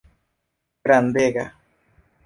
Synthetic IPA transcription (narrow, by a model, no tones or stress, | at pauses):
ɾand̪eɡa